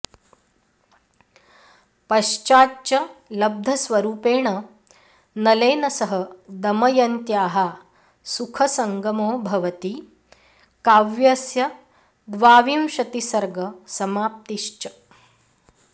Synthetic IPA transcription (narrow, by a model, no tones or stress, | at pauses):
pɐʃt͡ʃaːt͡ʃɐlɐb̚d̪ʱɐsʋɐɾuːpeːɳɐ | nɐleːnɐsɐɦɐd̪ɐmɐjɐnt̪jaːɦa | sukʰɐsɐŋɡɐmoːbʱɐʋɐt̪i | kaːʋjɐsjɐ | d̪ʋaːʋiːmʃɐt̪isɐɾɡɐsɐmaːp̚t̪iʃt͡ʃɐ